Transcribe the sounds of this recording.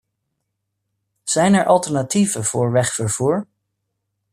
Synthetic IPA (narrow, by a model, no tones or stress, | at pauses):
z̥ɛjnɛɹʔɑlˠtɛɹnativənv̥ʊːɹʋɛχfəɹv̥uːɹ